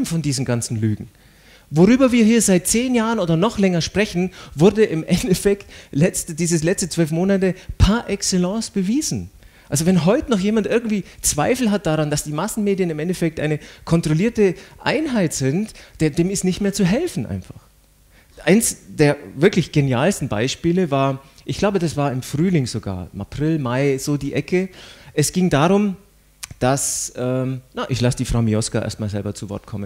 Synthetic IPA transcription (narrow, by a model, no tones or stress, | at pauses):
m̩fɔndiːzn̩ɡant͡sn̩ly̰ːɡŋ̩ | voʁyːbɐviːɐhiːɐzaɪt̚t͡seːnjaːʁənoːdɐnɔχlɛŋɐʃpʁ̥ɛçn̩vʊɐdəʔɪmʔɛndɛfɛktlɛt͡stəd̥iːzəslɛt͡stət͡sv̥œlfmoːnatəpʰaːɐʔɛkselɑ̃ːsb̥əviːzn̩ | ʔalzovɛnɦɔʏtənɔχjeːmantʔɪɐɡŋ̩tv̥iːt͡sv̥a̰ɪfl̩ɦat̚d̥aʁand̥asd̥iːmasn̩meːdjənɪmʔɛndɛfɛk̚tʔa̰ɪnəkʰɔntʁ̥oliːɐtəʔa̰ɪnɦaɪtz̥ɪntd̥eːdeːmɪstnɪçtmeːɐt͡suɦɛlfn̩ʔa̰ɪnfa̰χ | ʔaɪnsd̥eːɐvɪɐklɪçɡ̥enjaːlstn̩ba̰ɪʃpiːləvaːɐʔɪçɡ̥laʊbədasv̥aːɐɪmfʁ̥yːlɪŋzoɡa̰ːɐɪma̰pʁ̥ɪlmaɪz̥oːdiːʔɛkəʔɛsɡ̥ɪŋdaːʁʊm | d̥asʔɛːmnaʔɪçlasd̥iːfʁ̥aʊmiɔskaʔḛɐstmaːlzɛlbɐt͡suvɔ̰ɐt̚kʰɔmən